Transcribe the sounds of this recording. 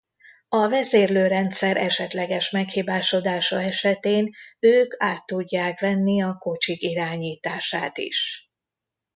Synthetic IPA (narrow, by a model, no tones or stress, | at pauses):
ɒvɛzeːrløːɾɛnt̪sɛɾʔɛʃɛt̪lɛɡɛʃmɛkhiːbaːʃo̞d̪aːʃɒɛʃɛt̪eːnøːkaːt̪ːuɟːaːkʋɛnːiɒko̞t͡ʃikiɾaːɲiːt̪aːʃaːt̪ḭʃ